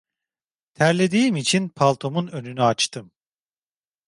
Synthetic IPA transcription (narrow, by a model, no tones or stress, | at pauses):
t̪ʰæɾlʲe̞d̪iːimit͡ʃʰinpʰalˠt̪ʰo̞munø̞nynyat͡ʃt̪ʰɯm